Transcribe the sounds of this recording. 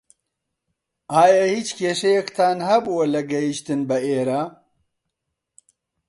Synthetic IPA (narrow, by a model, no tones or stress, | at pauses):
aːjahiːt͡ʃkʰeːʃɐjekt̪ʰaːnhɐbuwɐlɐɡɐjiʃt̪ɨnbɐeːɾaː